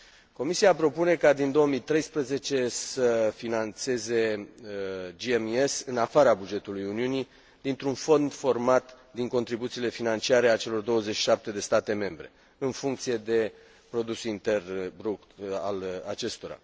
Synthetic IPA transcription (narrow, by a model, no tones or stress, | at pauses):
ko̞misiapɾo̞pune̞kad̪ind̪o̞əmit̪ɾe̞jspɾəze̞t͡ʃe̞səfinant̪se̞ze̞əd͡ʒiemesɨnafaɾabud͡ʒe̞t̪ulujuniuni | d̪̥int̪ɾunfo̞nd̪fo̞rmat̪ | d̪iŋko̞nt̪ɾibut̪siːle̞finant͡ʃiaɾe̞at͡ʃe̞lo̞rd̪o̞wəze̞t͡ʃʃi̥ʃap̚t̪e̞d̪e̞st̪at̪e̞me̞mbɾe̞̰ | ɨnfuŋkt̪sije̞d̪e̞ | pɾo̞d̪usint̪e̞rbɾuka̰la̰t͡ʃe̞st̪o̞ɾa̰